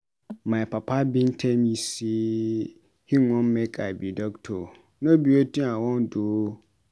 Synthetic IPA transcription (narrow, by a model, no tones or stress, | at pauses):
mãpʰapʰabĩntʰɛ̃mjisi | hĩŋɔ̃mmɛkʰʼabidɔktʰo | nãbiwotĩawɔ̃ndo